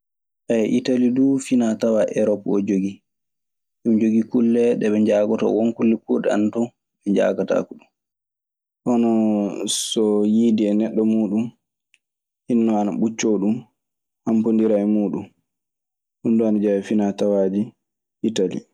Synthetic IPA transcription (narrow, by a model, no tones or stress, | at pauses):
ʔajɛʔitalidufinatawaʔɛɾɔpɔd͡ʒoɡi | ɗumd͡ʒoɡikulːɛɗɛɓɛɲd͡ʒaːɡɔtɔ̰wɔnkulːɛkuɗɛantɔ | ɛɲd͡ʒa̰ɡata̰kuɗum | ʔɔnɔsɔjiːdiɛnɛɗːɔmuːɗum | hinːɔanaɓut͡ʃːoɗum | hampondiɾaɛmuːɗum | hunduanad͡ʒawɛfinatawaːd͡ʒi | ʔitalḭ